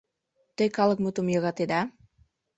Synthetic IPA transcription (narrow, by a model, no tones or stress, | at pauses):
t̪əjkalək̚mut̪umjoɣat̪ed̪a